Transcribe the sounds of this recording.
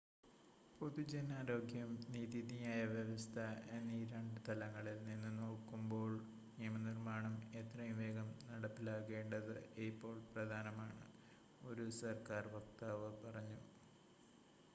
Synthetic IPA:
po̞ðud͡ʑenaːɾo̞ːɡʱjɐmniːðiðijaːjɐʋjeʋɐst̪ʰɐeniɾeɳɖɨt̪ɐlɐŋːɐɭilninːɨno̞ːkːumbo̞ːɭ | niɐmɐnirmaːɳɐme̞t̪rɐjumʋe̞ːɡɐmnɐɽɐpːilaːɣe̞ːɳɖɐðɨepːo̞ːɭprɐd̪ʱaːnɐmaːɳɨ | o̞ɾusɐrkaːrʋɐk̚t̪aːʋɨpɐrɐɲːu

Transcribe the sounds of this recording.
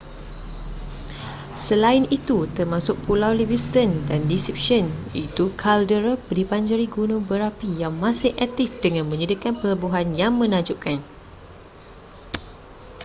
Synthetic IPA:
səlaɪnit̪ut̪ərmãsʊk̚pulawlibist̪əndandisɾip̚ʃənit̪ukʰaldəɾəpdipaɲd͡ʒəɾiɡunõbəɾapijaŋmãsɪhʔak̚t̪ɪfdəŋãnmə̃ɲədikanpələbuɦanjaŋmə̃nãd͡ʒuʔkan

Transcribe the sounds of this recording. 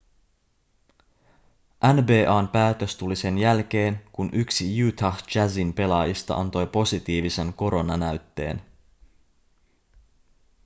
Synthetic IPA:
ʔænbe̞ːʔɑːnpæːt̪ø̞st̪ulise̞njælk̟e̞ːnkunʔyksijuːt̪ʰɑxd͡ʒæzinpe̞lɑːjist̪ɑ̰ʔɑ̰nt̪o̞jpo̞sit̪iːʋise̞ŋko̞ɾo̞nɑnæɥt̪ːe̞̰ːn

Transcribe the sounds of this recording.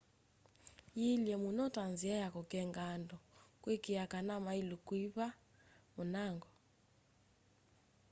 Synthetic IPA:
jiljɛmunɔtʼand͡ziajakɔkʼɛŋɡandɔkʼwekʼijakanamailukʼwiβa | munaːŋɡɔ

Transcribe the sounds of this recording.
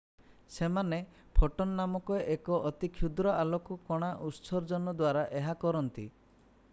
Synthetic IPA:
semane | pʰɔʈɔnːamɔkɔeʔekɔʔɔt̪ikʰjud̪ɾɔʔalɔkukɔɽ̃aʔusɔɾd͡ʒɔnɔd̪waɾaʔeɦakɔɾɔnt̪ḭ

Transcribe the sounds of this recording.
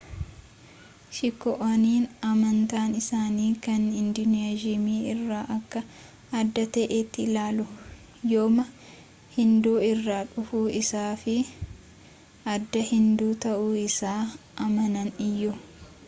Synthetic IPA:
ʃɪkːɔʔɐniːnɐmɐnt̪aːnɪsaːniːkɐnɪnd̪ʊneːd͡ʒɪmiːɪrːaːʔɐkːɐ | ɐd̪ːɐt̪ɐʔet̪ːɪlaːlʊ | joːmɐ | hɪnd̪uːɪrːaːᶑʊfuːʔɪsaːfɪ | ɐd̪ːɐhɪnd̪uːt̪ɐʔuːɪsaː | ʔɐmɐnɐnɪjːʊ

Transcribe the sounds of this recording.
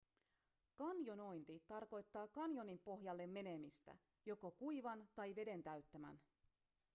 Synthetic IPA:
kɑnjo̞no̞jnt̪it̪ɑrko̞jt̪ːɑːkɑnjo̞nimpo̞ɦjɑlːe̞mːe̞ne̞mist̪æ̰ | jo̞ko̞kujʋɑnt̪ɑjʋe̞de̞nt̪æɥt̪ːæmæ̰n

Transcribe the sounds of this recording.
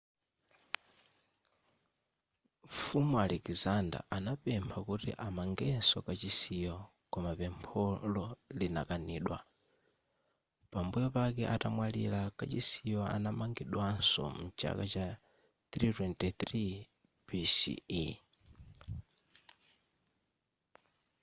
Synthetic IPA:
fumualɛkzanda̰ʔanapɛmpʰakutḭʔamaŋɡɛnsɔkat͡ʃisijɔ | kɔmapɛmpʰɔlɔlina̰kaniːɗwa | pambujɔpakɛʔatamwalḭlakat͡ʃisijɔʔa̰namaŋɡiɗwansɔ̰mut͡ʃʰa̰kat͡ʃa | θɾitɛntɛθɾi | pisḭi

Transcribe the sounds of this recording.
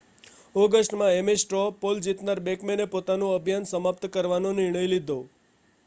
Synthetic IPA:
ɔɡəsʈmãemesʈɾɔpold͡ʒit̪naɾbekmenepot̪anũəbʱjansəmap̚t̪kəɾʋanonɪɾɳ̃əjlid̪ʱo

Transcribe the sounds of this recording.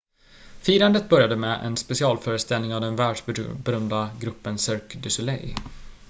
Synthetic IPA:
fiːɾand̪ət̪̚bœɾjad̪əmɛʔɛ̰nspɛsɪɑːlfœːɾəst̪ɛlnɪŋavd̪ɛnvæːɖʂbɛɾœmd̪aɡɾɵpːənsœɾkd̪ɵsɵlɛ̰j

